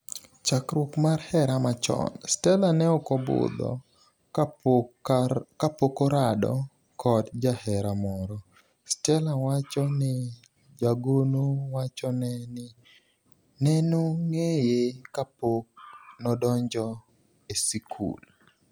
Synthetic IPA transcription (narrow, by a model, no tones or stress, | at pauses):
t͡ʃakɾʊkmarhɛɾamat͡ʃɔ̰nstɛlanɛɔkɔbʊ̰d̪ɔ̰ | kapokoɾadɔ̰ | kʰɔtd͡ʒahɛɾamɔɾɔ | stɛlawat͡ʃɔnɪ | d͡ʒaɡonowat͡ʃɔnɛnɪ | nɛnoŋejekapok̚nɔdɔɲd͡ʒɔ | esikʰṵl